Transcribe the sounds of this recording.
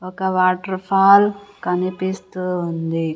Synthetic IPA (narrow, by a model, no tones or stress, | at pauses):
ɔkɐʋaːʈɐɾpʰaːlkɐnipist̪uund̪i